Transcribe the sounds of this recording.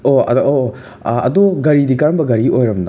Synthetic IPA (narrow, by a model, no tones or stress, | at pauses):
oɐ̰o | ɐ̰doɡɐɾidikɐɾɐmbɐɡɐɾiʔojɾɐmdɐ